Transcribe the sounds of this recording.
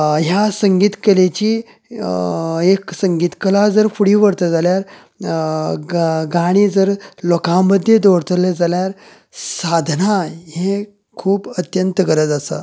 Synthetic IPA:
ɦjasəŋɡiːt̪kəlet͡ɕiː | eksəŋɡiːt̪kəlad͡zəɾfuɽiːʋəɽt̪əd͡zaljaɾ | ɡaɽ̃iːd͡zəɾlɔkãməd̪ʱːjed̪oɽt̪əled͡zaljaɾ | sad̪ʱnaje | kʰuːpət̪jənt̪əɡəɾət̪asa̰

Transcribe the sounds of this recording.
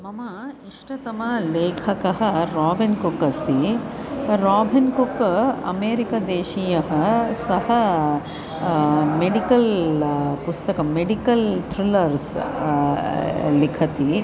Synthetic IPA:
mɐmɐiʂʈɐt̪ɐmɐleːkʰɐkɐɦɐɾaːbinkukːɐst̪i | ɾaːbʱinkukɐ̰meːɾikɐd̪eːʃijɐɦɐsɐhɐ | meɖikɐl | pust̪ɐkɐmeɖikɐlt̪ʰɾilɐɾs | likʰɐt̪i

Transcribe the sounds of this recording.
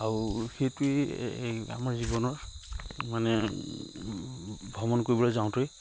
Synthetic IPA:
aɹuxejtui | a̰maɹzibɔnɔɹmanɛ | bʱɔmɔnkoɹibɔlazaw̃toj

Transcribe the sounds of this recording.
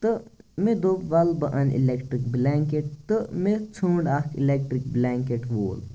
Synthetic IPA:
t̪ɨmed̪oʋɐlbɐʔɐnḭlekʈɾikblaŋkeʈ̚t̪ɨmet͡sʰũːɳɖakilek̚ʈɾik̚blaŋkeʈʋo̰ːl

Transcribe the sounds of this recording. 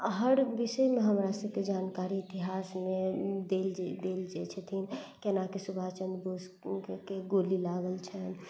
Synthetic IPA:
ɦəɾbisəmeɦəmɾasəb̚ked͡ʒankaɾiːt̪iɦasmed̪eld͡ʒd̪eld͡ʒet͡ʃʰɛt̪ʰinkenakesubʱat͡ʃənd̪bos | keɡolilaɡəlt͡ʃʰɛn

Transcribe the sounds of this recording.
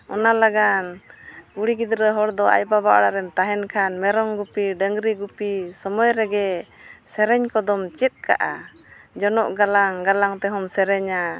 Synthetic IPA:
ɔnalaɡankuɽiɡid̪ɾəɦɔɽd̪ɔa̰jbabaʔɽaɾɛnt̪aɦɛnkʰanmɛɾɔŋɡupiɖəŋɾiɡupisɔmɔjɾɛɡɛsɛɾɛɲkɔd̪ɔmt͡ʃɛt̪̚ka̰ʔa̰ | d͡ʒɔnɔʔɡalaŋɡalaŋt̪ɛɦɔmsɛɾɛɲa

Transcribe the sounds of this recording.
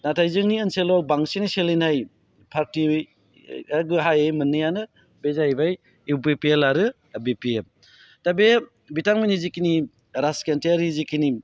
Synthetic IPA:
natʰajzɯŋniɯnselɔbaŋsiniselinhaj | pʰaɾti | aɡɯɦajajmɯnːɯjanɯ | bezajbaj | iwbepielaɾɯ | bepiem | tabe | bitaŋmajnizikini | ɾaskentijaɾizikini

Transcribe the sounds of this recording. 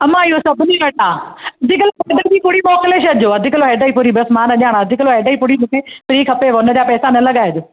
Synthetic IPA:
ɐmãɪɦosɐbʱɪniʋɐʈaːɐd̪ʱɪkəlobɐːɖɐd͡ʑipʊɽimɔːkɪleʃɐɐd͡ʑoɐd̪ʱɪkəloɦɛːɖaipʊɾibɐsmaːnɐʄãːɽ̃aɐd̪ʱɪkloɦɛːɖəːipʊɽimũːkʰepɪɾiːkʰɐpeʋɐʊnəd͡ʑapɛːsanɐlɐɡaɐd͡ʑoː

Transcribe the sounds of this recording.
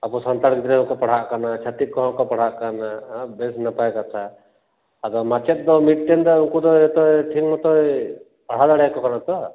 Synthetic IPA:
apusɔnt̪aɽkid̪ɾɛɦɔkɔpaɽ̤aʔkanat͡ʃʰat̪ik̚kɔɦɔ̃kɔpaɽ̤aʔkanabɛsnapajkat̪ʰa | ad̪ɔmat͡ʃɛt̪̚ˀd̪ɔmiʈ̚ʈɛnd̪ɔukud̪ɔɔt̪ɔʈʰikmɔt̪ɔe | paɽ̤ad̪aɽɛkɔkanat̪ɔ

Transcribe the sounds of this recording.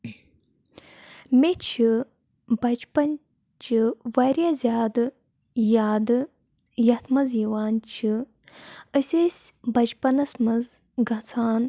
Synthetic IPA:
met͡ʃʰi | bɐt͡ʃpɐn | t͡ʃʰiʋaɾʲjaːzʲjaːd̪ɨ | jaːd̪ɨ | jɐt̪ʰmɐziwaːnt͡ʃʰi | əsʲesʲbɐt͡ʃpɐnɐsmɐz | ɡɐt͡sʰaːn

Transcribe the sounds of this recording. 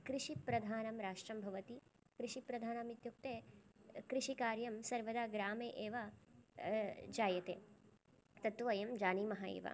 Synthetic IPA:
kɾiʃipɾɐd̪ʱaːnɐmɾaːʂʈɾɐmbʱɐʋɐt̪i | kɾiʃipɾɐd̪ʱaːnɐmit̪juk̚t̪eːkɾiʃikaːɾjɐmsɐɾʋɐd̪aːɡɾaːmeːʔeːʋa | d͡ʒaːjɐt̪ḛː | t̪ɐt̪ːʋɐjɐmd͡ʒaːniːmɐɦaːḛːʋa̰

